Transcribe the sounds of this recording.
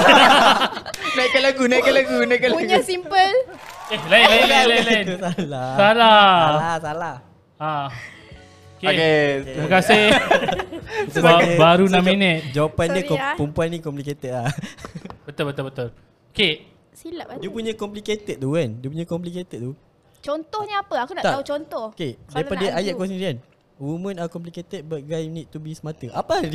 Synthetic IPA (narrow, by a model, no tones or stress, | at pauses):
najkalaɡunaiʔkalaɡunakaluɡɲuasimpəlelalaalalnsalasalaasalah | a | kokeɾiməkasɪ | abaɾunãminə̃t̪̚d͡ʒawapandikɔpəmpuanːĩkɔmpliket̪əla | bət̪ʊlbət̪ʊlbət̪ʊl | oke | silaʔdiəpuɲə̃kɔmpliket̪ət̪̚t̪ukandiəp̬uɲə̃kɔmp̬liket̪əd̪̚t̪u | t͡ʃɔnt̪ɔhɲəapəakunaʔt̪aut͡ʃɔnt̪ɔkedajpadəʔajaʔ̚kɔs̬niɾian | wumə̃nakɔmp̬liket̪ət̪̚bət̪̚ɡɾajnid̪̚t̪ubisəmãt̪əʔapa